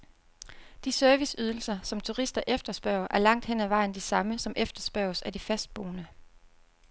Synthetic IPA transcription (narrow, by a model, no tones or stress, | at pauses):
d̥isøɐʋisyð̞ˠl̩sɐsɒ̽mt͡sʰuʁisd̥ɐʔefd̥ɐsb̥ɶɐʊ̰ɐʔæɐlɑ̈ŋ̰d̥hen̰æʋɑ̈ɪ̰n̩d̥isɑ̈məsɒ̽mʔefd̥ɐsb̥ɶɐʊsæd̥ifæsd̥̚b̥o̝̰ːnə